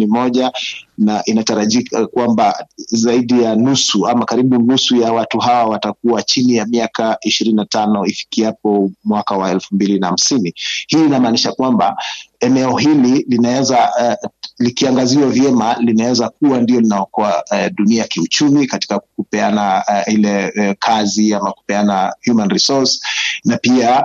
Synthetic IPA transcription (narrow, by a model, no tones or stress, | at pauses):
imɔʄanaʔinataɾaʄikakwambazaiɗijanusuamakaɾiɓunusujawatuɦawawatak̚uat͡ʃinijamiakaiʃiɾininatanɔifi̥kiapɔmwakawaɛlfumbilinaham̩sinihiːnamaːniʃakwamba̰ɛnɛɔhililinawɛza | likiaŋɡaziwavjɛmalinawɛzak̚uwandijɔlinajɔkɔaɗuniajakiut͡ʃumikati̥kakukupɛanahilɛkʰaziamaku̥pɛanahjumanɾisɔsnapia